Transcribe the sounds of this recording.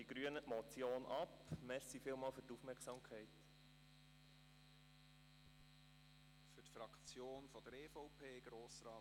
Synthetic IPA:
iɡ̥ɾyənətmɔt͡sjoːnʔɑpmɛɾsifɪːlˠmɑːlfʏrtufmɛɾksɑmkʰɛɪt | fytfɾɑkt͡sjoːnfɔd̥əɾeːfɔʊpʰeːɡ̥ɾoːsɾɑː

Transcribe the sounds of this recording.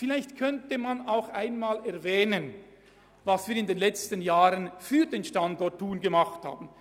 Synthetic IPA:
fɪlaɪçtkʰœntəmanaʊxʔaɪnmaːlɛɐvɛːnən | vasviːɾɪndeːnlɛt͡stənjaːʁənfyːɐdeːnʃtandɔɐtʰːuːnɡəmaχtha̰ːbn̩

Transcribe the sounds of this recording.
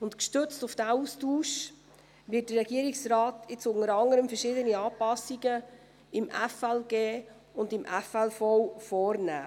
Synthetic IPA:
ʊntkʃtʏt͡stʊfd̥æːuːstuːʃ | vɪːt̚d̥ərɛɡiəɾiksɾɑːtɪt͡sʊŋəɾɑŋəɾəmfəɾʃɪːdəniɑːpɑsːiɡ̥ə | ɪmʔɛfɛlɡ̥eː | ʊndɪmʔɛfɛlfɔwfɔːɾnæ̰ː

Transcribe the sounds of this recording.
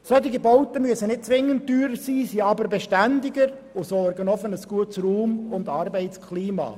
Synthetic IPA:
søt̪ɪɡəbɔʊt̪əmyəsənɪt̚t͡sʋɪŋːənt̚tːyːɾəsiːsiːɑbəɾbeʃtændɪɡəɾ | osɔrɡənɔfənəsɡ̥uətsruːmʊndɑɾbɛɪtt͡skʰliːmɑ̰ː

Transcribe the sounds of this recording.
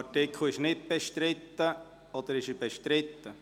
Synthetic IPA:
ɑtɪkʰl̩ˠɪʃnɪt̚b̥ɛʃtɾɪt̪ːə | ɔd̥̪əɾɪʃəbɛʃtɾɪt̪ːə

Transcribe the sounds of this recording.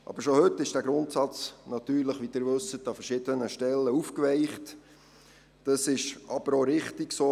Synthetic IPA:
ʔɑ̰b̥əɾʃohɵtːɪʃd̥æːɡɾʊntsɑt͡snɑt̪yːɾləχʋid̥̪ɪːɾʋɵsətɑfəɾʃɪd̥̪ənəʃtɛlːəufkʋɛɪχt | d̥ɑsɪʃɑb̥əɾoɾɪχtɪɡsoː

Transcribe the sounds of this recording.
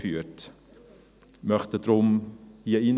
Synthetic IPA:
fyːt | mœχtədrʊmhiəin

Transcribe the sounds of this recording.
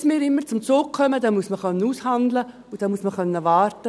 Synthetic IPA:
smɪːɾɪmːəɾt͡sʊmt͡soːɡ̚kʰœməd̥ɑmuəsməχœnːəuːshɑnd̪lə | ud̥ɑmuəsməχœnːəʋɑːrtə

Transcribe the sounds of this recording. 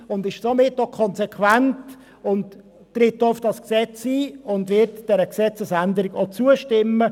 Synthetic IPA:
ʊndɪʃsomɪtːokʰɔnsɛkʰʋænt | ʊnt | tːɾɪtːoʊfd̥ɑsksɛt͡siːʊndʋɪɾtd̥ɛɾəksɛt͡səsændəɾɪɡot͡suəʃtɪmːə

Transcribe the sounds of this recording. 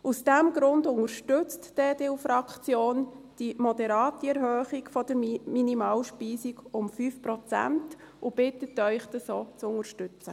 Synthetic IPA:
usd̥ɛmɡɾʊndʊŋəɾʃtʏt͡std̥eːdeufɾɑkχt͡sjoːnd̥imɔd̪ɛɾɑːtiɛɾɦøːχiɡfɔd̥əɾminimɑːwʃpiːsiɡʊmfyːfpɾɔt͡sæ̰nt | ʊb̥ɪtətœʏχd̥̪əsoːt͡sʊŋəɾʃtʏt͡sə

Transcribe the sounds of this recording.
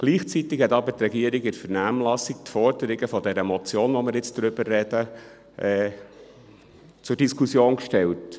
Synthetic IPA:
ɡ̥liːχt͡sit̪ɪkhɛt̪ɑbət̪ɾɛɡiəɾɪɡɪtfəɾnæːmlɑsɪk̚t̪fɔɾd̥əɾɪɡəfɔdɛɾəmɔt͡sjoːnʋɔmɪɾjɪt͡sd̥ɾʏbərːɛdə | ʔɛː | t͡sʊɾd̥iskʰusjoːnkʃtɛlt

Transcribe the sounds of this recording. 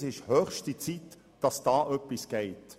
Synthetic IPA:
sɪʃhœːχʃtit͡sit | d̥ɑsd̥ɑːʔœpːisɡ̥ɛɪt

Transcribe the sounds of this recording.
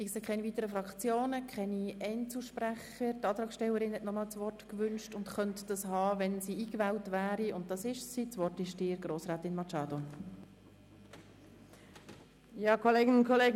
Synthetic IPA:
ɪkseːkʰɛniviːtəɾəfɾɑkt͡sjoːnəkʰχɛniɛɪnt͡suʃpɾæχətɑːt̪ɾɑːksʃtɛlːəɾɪnhɛtnɔmɑːlt͡sʋɔrtkʋʏnʃtʊntχœntd̥ɑshɑːʋɛnsiːiːkʋɛːltʋæːɾiʊnt̚d̥ɑsɪʃsit͡sʋɔrtɪʃd̥ɪːɾɡroːsɾæːtɪnmɑt͡ʃɑːdo | jɑːkʰɔleːɡnkʰɔleːɡ

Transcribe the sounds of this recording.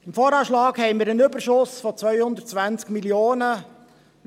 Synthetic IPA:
ɪmfoːɾɑːʃlɑːkhɛɪmiːɾənʏbəɾʃʊsfɔt͡sʋœʏhʊnd̪əɾt̚t͡sʋænt͡skmiljoːnə

